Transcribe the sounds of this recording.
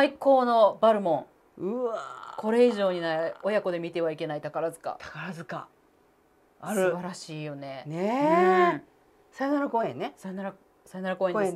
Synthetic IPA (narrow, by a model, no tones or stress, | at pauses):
saiko̞ːno̞baɾɯ̟mõ̞ŋ | ɯakʰo̞ɾe̞iʑo̞ːɲ̟inaeo̞jako̞d̪e̞mʲit̪e̞β̞aike̞nait̪akaɾazɨka̰t̪ʰḁkaɾazɨka | asɨbaɾaɕiːjo̞ne̞neɯ | sainaɾakoːẽnːesanaɾa | saenaɾako̞ːẽn